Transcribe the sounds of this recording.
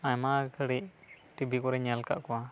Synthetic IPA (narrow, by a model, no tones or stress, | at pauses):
ajmakʰəɽiʔ | ʈibʱikɔɾɛɲalka̰ʔkɔwa